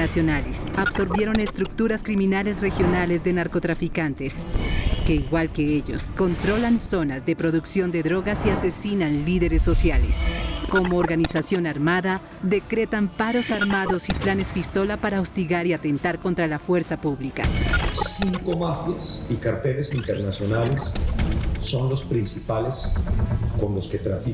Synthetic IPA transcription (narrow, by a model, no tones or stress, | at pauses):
asjo̞nalesaβso̞ɾβje̞ɾo̞ne̞st̪ɾuk̚t̪uɾaskɾimĩnale̞sre̞xjo̞nale̞zðe̞naɾko̞t̪ɾafikant̪e̞s | ke̞iɣwalke̞eʎo̞̰sko̞nt̪ɾo̞lanso̞nazðe̞pɾoðuksjo̞nd̪e̞ðɾo̞ɣasiase̞sinanliðe̞ɾesːo̞sjalesko̞moːɾɣanisasjo̞naɾmaða | ðe̞kɾe̞t̪ampaɾo̞saɾmaðo̞siplane̞spist̪o̞lapaɾaost̪iɣaɾiat̪e̞nt̪aɾko̞nt̪ɾalafwe̞ɾsapuβlika̰siŋko̞mafjesikaɾt̪elesint̪eɾnasjo̞nalesː | o̞nlo̞spɾinsipale̞s | ko̞nlosket̪ɾafi